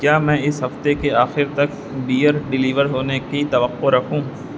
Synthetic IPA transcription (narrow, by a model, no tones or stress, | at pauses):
kjaːmɛ̃ːɪsɦɐft̪ekeaːxɪɾt̪ɐk | biːəɾɖɪliːʋəɾɦoːnekit̪ɐʋəqːoɾɐkʰũː